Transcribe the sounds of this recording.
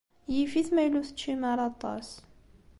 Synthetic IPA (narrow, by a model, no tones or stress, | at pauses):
jifiθmæjluθə̥t͡ʃːimaɾˤɑt̪ˤɑ̰s